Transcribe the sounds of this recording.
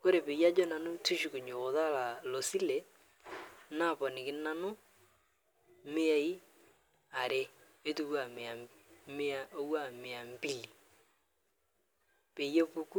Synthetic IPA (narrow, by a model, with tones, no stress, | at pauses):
ko˦ɾe˨pe˨ja˦d͡ʒɔ˦na˨nʊ˦tu˦ʃu˨kʊ˨ɲoː˨ða˦˨la˨lo˨si˦le˨ | na˦˨pɔ˨nɪ˨kɪ˦na˦nʊ˦ | mɪ˦a˦i˦ | a˨ɾe˦ | e˦tu˦ku˦a˨mɪ˨a˨ | m˦a˨o˦wa˦˨mɪ˨a˨m˦pi˦li˨ | pe˨je˦pu˦ku˦